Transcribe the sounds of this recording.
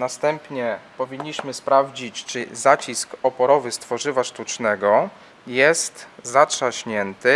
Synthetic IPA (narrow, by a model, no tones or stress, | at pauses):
nast̪ɛmpɲɛpɔvʲiɲːiɕmɘspɾavd͡ʑit͡ɕt͡ʂɘzat͡ɕiskɔpɔɾɔvɘst̪fɔʐɘvaʂt̪ut͡ʂnɛɡɔ | jɛst̪zatʂaɕɲɛnt̪ɘ